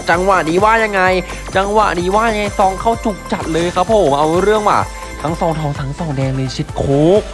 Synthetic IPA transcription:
t͡ɕa˧ŋwa˨˩diː˧waː˥˩ja˧ŋːa˧j | t͡ɕa˧ŋwa̰˨˩ʔdiː˧waː˥˩ja˧ŋa˧jsɔː˧˥ŋkʰa˥˩wt͡ɕu˨˩k̚t͡ɕa˨˩t̪̚lɤː˧jkʰa˦˥pʰːo˨˩˦mʔa˧wɾɯ˥˩əŋwa̰ː˨˩ | t̪ʰa˦˥˦ŋsɔː˨˩˦ŋt̪ʰɔː˧˩ŋsʰa˨˩˦ŋsɔː˨˩ŋdɛː˧ŋlɤː˧jt͡ɕʰi˧˦˩t̪̚kʰuː˦˥k̚

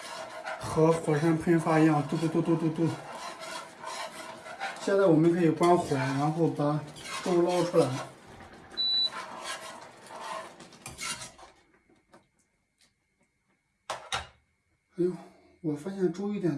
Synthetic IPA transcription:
xɤ˧˥xwɔ˨˩ʂɛ˥npʰi˥nfwa˥˧i˧˥jɑ˥˧ŋt̪u˥˧t̪u˥˧t̪u˥˧t̪u˥˧t̪u˥˧t̪u˥˩ | ɕjɛ˥˧nt͡sa˥˩ɪwɔ˨˩mə˦nkʰɤ˧˥i˨˩kwa˥nxwɛ˨˩ɻa˧˥nxo˥˩pa˨˩˦to˥˧lɑ˥ʊʈ͡ʂʰu˥la˧˥ɪ˩ | a˧˥˩wɔ˨˩fa˥ɕjɛ˥˩ŋʈ͡ʂu˥i˥˩t̪jɛ˨˩

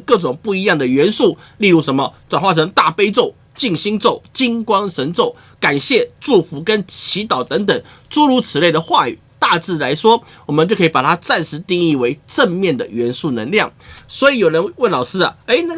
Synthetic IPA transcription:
kɤ˥˩ʈ͡ʂʊ˨˩ŋpu˥˩i˧˥jɑ˥˩ŋd̪ə˩ɥɛ˧˥nsu˥˩ | li˥˧ɻu˥˩ʂə˧˥nmə˨ʈ͡ʂwa˨˩nwa˥˩ʈ͡ʂʰɤ˧˥ŋt̪a˥˩pe˥ɪt͡so˥˩ʊ | t͡ɕi˥˩ŋɕi˥ŋt͡so˥˩ʊt͡ɕi˥ŋkwɑ˥ŋʂə˧˥nt͡so˥˩ʊ | ka˨˩nɕjɛ˥˧ʈ͡ʂu˥˩fu˧˥kə˦˥nt͡ɕʰi˧˥t̪ɑ˨˩ʊt̪ə˧˥ŋt̪ə˨˩ŋ | ʈ͡ʂu˥ɻu˧˥t͡sʰɹ̩˨˩le˥˩ɪd̪ə˩xwa˥˩y̰˨˩t̪a˥˧t͡sɹ̩˥˩la˧˥ɪʂwɔ˥wɔ˨˩mə˦nt͡ɕjo˥˩ʊkʰɤ˧˥˨pa˨˩t̪ʰa˥t͡sa˥˩nʂɻ̩˧˥t̪i˥˧ŋi˥˩we˧˥ɪʈ͡ʂə˥˧ŋmjɛ˥˩nd̪ə̰˩ɥɛ˧˥nsu˥˩nə̰˧˥ŋljɑ˥˩ŋswɔ˧˥i˨˧˥jo˨˩ʊɻə˧˦nwə˥˩nlɑ˨˩ʊʂɹ̩˥ɐ̰˨e˧˥ɪ˥

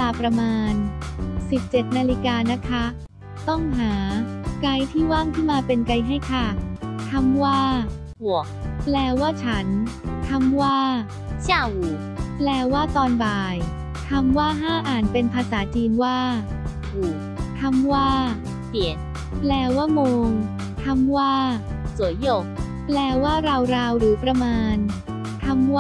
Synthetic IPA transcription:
laː˧pɾa˧maː˧nsi˨˩p̚t͡ɕe˨˩t̪̚naː˧li˦˧kaː˧na˦˥kʰa˦˥ | t̪ɔ˥˩ŋɦaː˩˦ka˧jt̪ʰiː˥˩waː˥˩ŋk̪ʰɯ˥˩maː˧pe˧nka˧jɦa˥˩jkʰa˥˩k̪ʰa˧mwaː˥˩ | hu˨˩ək̚plɛː˧waː˥˩t͡ɕʰa˦˥nt̪ʰa˧˥mwaː˥˩ | t͡ɕa˧˨˩ | plɛː˧waː˥˩t̪ɔː˧nbaː˧j | t̪ʰa˧mwaː˥˩ɦaː˥˩ʔaː˨˩npe˧npʰaː˧saː˩˦t͡ɕiː˧nwaː˥˩ | huː˨˩ | t̪ʰa˧mwaː˥˩ | pi˨˩ən̚ | plɛː˧waː˥˩moː˧ŋ | t̪ʰa˧mwaː˥˩ | su˩˦jjoː˨˩k̚ | plɛː˧waː˥˩ɾa˧wɾaː˧wɾɯː˩˦pɾa˧maː˧n | t̪ʰa˧mw

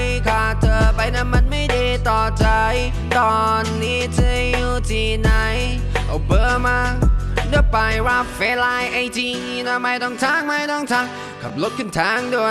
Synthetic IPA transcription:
jkʰaː˨˧˩t̪ʰɤː˧pa˧jna˧˥˩ma˧˩nma˥˩jda˧˩jt̪ɔː˨˩t͡ɕa˧j | t̪ɔː˧ | nːiː˧˩t̪ʰɯ˧juː˧˩t̪ʰiː˧˩na˧˩jʔa̰˨˩wpɤː˧˩maː˧dɯ˧˩əpa˨˩jwaː˧˩fɛː˨˧˥laː˧jʔa˧jt̪ʰiː˧ŋi˧na˧˥ma˧˩jt̪ɔ˧˩ŋt̪ʰaː˧˥˩ŋma˧jt̪ɔ˧˩ŋt̪ʰaː˧˥˩ŋ | kʰa̰˨˩p̚lo˦˥t̪̚kʰɯ˧˩nt̪ʰaː˧˥˨ŋdu˧˩ə

